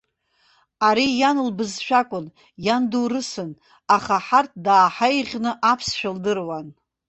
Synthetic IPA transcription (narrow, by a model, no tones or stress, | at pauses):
aɾijanɨlbɨzʃᶣakʷʼʊn | janduwrɨsɨn | aχaħart̚ʰdaːħajʁʲnɨʔapʰsʃᶣɪldɨrwan